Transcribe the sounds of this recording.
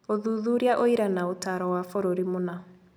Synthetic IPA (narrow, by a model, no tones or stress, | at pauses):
oðuðuɾiaʔoiɾanaotaɾɔwafoɾoɾimona